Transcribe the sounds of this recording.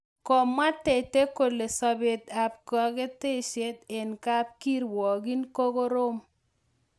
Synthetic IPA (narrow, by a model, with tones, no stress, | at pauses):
kɔ˨ma˦te˨te˦ko˨le˨sɔ˨be˨t̪a˨p̚kɔ˨ke˦te˦ʃe˦t̪e˨nka˦p̚ki˦ɾwɔ˨ɡi˦nko˦ko˦ɾo˦m